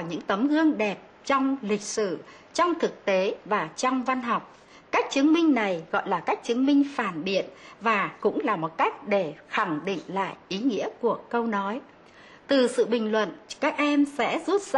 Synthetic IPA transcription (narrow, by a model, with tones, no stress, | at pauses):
ɲɨ̰˧˥ŋt̪ə˨˦mɣɨ˧əŋɗɛ˨˩p̚ | t͡ɕɔ˧wŋ͡mlï˨˩k̟̚sɨ̰˧˨ | t͡ɕɔ˧wŋ͡mt̪ʰɨ˨˩k̚t̪e˨˦vaː˨˩t͡ɕɔ˧wŋ͡mva˧nɦɔ˨˩wk͡p̚ | ka˦˥jk̚t͡ɕɨ˨˦əŋmï˧ŋ̟na˨˩jɣɔ̰˧˨jlaː˨˩ka˦˥jk̚t͡ɕɨ˨˦əŋmï˧ŋ̟faː˧˩nɓḭ˧˨ənvaː˨˩kʊ̰˧˥ŋ͡mlaː˨˩mo˨˩t̚ka˦˥jk̟̚ɗe˧˩xa˧˩ŋɗḭ˧˨ŋ̟la̰ː˧˨jʔi˨˦ŋḭ˧˥əku˧˩əkə˧wnɔ˨˦j | t̪ɨ˨˩sɨ̰˧˨ɓï˨˩ŋ̟lwə̰˧˨nkaː˦˥k̚ʔɛ˧msɛ̰˧˥zu˦˥t̚z